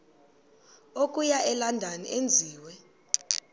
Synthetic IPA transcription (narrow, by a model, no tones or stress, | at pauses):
okʼujaʔɛlandʱanḭʔend͡zʱiːwɛ